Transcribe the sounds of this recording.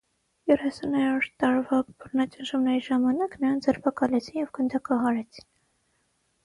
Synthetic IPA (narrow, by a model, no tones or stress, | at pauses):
jɛrɛsunhɛɾɔɾt̪ɑɾvɑbəɾnɑt͡ʃənʒumnɛɾiʒɑmɑnɑknəɾɑnd͡zɛɾpʰɑkɑlɛt͡sʰinjɛvɡənd̪ɑkɑɦɑɾɛt͡sʰi̥n